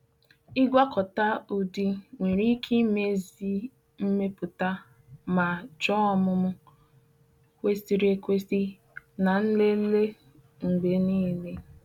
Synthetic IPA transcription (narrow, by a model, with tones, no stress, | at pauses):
ɪ˦ɡʷa˦kɔ˨ta˦ʊ˨di˦ŋʷe˨ɾi˦kʰi˦me˦zi˦ | m̩˦me˦pʊ˨ta˦ | ma˨d͡ʒɔ˦ɔ˦mʊ˦mʊ˦ | kʷe˦si˨ɾe˨kʷe˦si˦ | na˨n̩˦le˦le˦ | ŋ̩˨ɡ͡be˨niː˦˨le˦